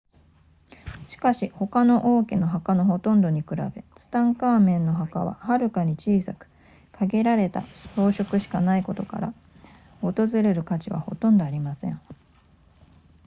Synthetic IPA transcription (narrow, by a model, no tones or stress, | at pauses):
ɕi̥kaɕiho̞kano̞ʔoːkeno̞ɦakano̞ɦo̞t̪õ̞nd̪o̞ɲ̟ikɯ̟ɾa̰be̞t͡sɨ̥t̪ãŋkaːmẽ̞nːo̞ɦakaβ̞a̰haɾɯ̟kaɲ̟it͡ɕiːsakɯ̟̥ | kʰaɡe̞ɾaɾe̞t̪a̰o̞ːɕo̞kɯ̟ɕi̥kanaiko̞t̪o̞ka̰ɾa̰ | o̞t̪o̞zɨɾe̞ɾɯ̟kat͡ɕiβa̰ho̞̰t̪õ̞nd̪o̞aɾʲimasẽ̞̰ɴ